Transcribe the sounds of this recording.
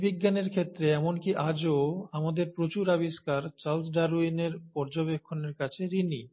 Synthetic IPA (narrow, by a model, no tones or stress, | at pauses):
biɡːaneɾkʰet̪ːɾeɛmonkiʔad͡ʑoamad̪eɾpɾot͡ɕuɾabiʃkaɾt͡ɕals̬ɖaɾuineɾpɔɾd͡ʑobekʰːoneɾkat͡ɕʰeɾini